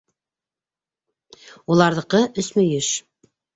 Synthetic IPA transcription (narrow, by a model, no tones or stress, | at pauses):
ulˠɑɾðɤ̆qɤɵ̆smɵ̆jɵʃ